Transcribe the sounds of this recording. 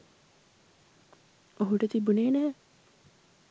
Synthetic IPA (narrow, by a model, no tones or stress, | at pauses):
oɦuʈət̪ibuneːnæɦɛ